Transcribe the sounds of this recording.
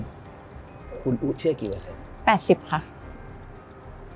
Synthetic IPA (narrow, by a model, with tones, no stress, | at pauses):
kʰu˧nʔu˦˥t͡ɕʰi˥˦ɐ˨˩ki˨˩wa˨˧se˧˦˩ | pɛː˨˩t̪̚si˨˩p̚kʰa˦˥ʔ